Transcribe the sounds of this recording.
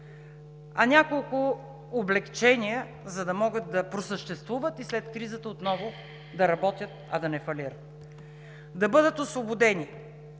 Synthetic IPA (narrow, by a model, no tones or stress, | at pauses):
ɐnʲakolˠkʊː | blɛkt͡ʃɛnʲijə | zɐd̪ɐmɔɡət̪̚d̪ɐpɾosəʃt̪ɛst̪vuvət̪islɛt̪kɾizət̪əot̪nɔvʊ | d̪ɐɾɐbɔt̪ʲjət̪ɐd̪ɐnɛfɐliɾət̪ | d̪ɐbɤd̪ət̪osvobʊd̪ɛni